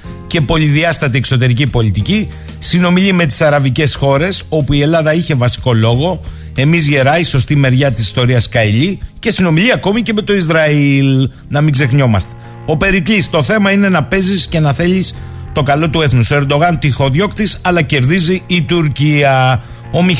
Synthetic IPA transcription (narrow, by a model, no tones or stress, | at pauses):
ce̞po̞liðiɐst̪ɐt̪iekso̞t̪e̞ɾicipo̞lit̪ici | sino̞miʎime̞t̪i̥sɐɾɐvice̞sxo̞ɾe̞so̞puie̞lɐðɐiçe̞vɐsi̥ko̞lo̞ɣo̞ | e̞mizʝe̞ɾɐiso̞st̪ime̞ɾʝɐt̪isi̥st̪o̞ɾiɐskɐiʎice̞sino̞miʎiɐko̞mice̞me̞t̪o̞izɾɐil | nɐmiɡze̞xɲo̞mɐst̪e̥ | o̞pe̞ɾiklist̪o̞θe̞mɐine̞nɐpe̞zisce̞nɐθe̞ʎist̪o̞kɐlo̞t̪ue̞θnusoeɾd̪o̞ɣɐnt̪ixo̞ðjo̞kt̪isɐlɐce̞ɾðiziːt̪uɾciɐ | o̞mi